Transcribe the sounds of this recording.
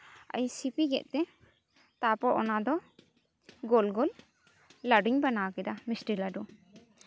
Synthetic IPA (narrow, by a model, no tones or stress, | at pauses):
a̰ɲsipiɡɛ̰ʔ̚t̪ɛ | t̪apɔʔɔnad̪ɔ | ɡolɡolː | aɖiɲbanakɛd̪amisʈilaɖu